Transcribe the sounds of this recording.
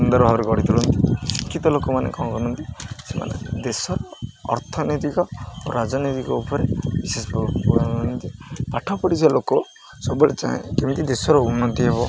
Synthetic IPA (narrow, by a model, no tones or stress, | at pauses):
und̪ɔɾbʱabɾeɡɔɽit̪ʰuɭɔnt̪isikːit̪ɔlokɔmanḛkɔkɔnɔnt̪isema̰nḛd̪esɔɾɔ̰ːɾt̪ʰɔnit̪ikɔoɾad͡ʒɔnit̪ikɔupɔɾebisesbɔbɔɽaunt̪ipaʈʰɔpɔɽiselokɔ | sɔbuɭet͡ʃã̰ḛ̃kemint̪id̪esɔɾɔunːɔt̪iɦeβɔ